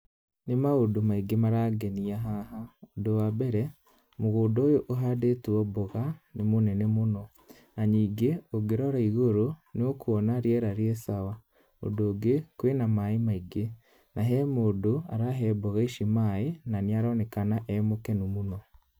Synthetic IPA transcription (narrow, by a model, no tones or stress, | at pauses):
nemaodomaiɡemaɾaɡɛniaɦaɦaodowabɛɾɛ | moɣoːdɔːjoʔoɦadetuɔboɣanemonɛnɛmonɔ | naɲiːŋɡeoɡeɾɔɾaiɣoɾoneokuɔnaɾeɛɾaɾeɛsawa | o̰doːɡekwenamaemaiɡe | naɦɛmoːdoa̰ɾaɦɛbɔɣaiʃimaenaneaɾɔnɛkanaʔɛmokɛnumunɔ